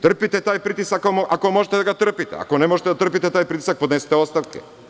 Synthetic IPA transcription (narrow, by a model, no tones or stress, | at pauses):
t̪r̩pit̪ɛt̪aːjpɾit̪isakomʔakomoʒet̪ed̪aɡat̪r̩pit̪ɛ̰a̰konemoʒet̪ed̪at̪r̩p̬it̪ɛt̪aːjpɾit̪i̥sak̚pod̪nesi̥t̪eost̪aʋkḛ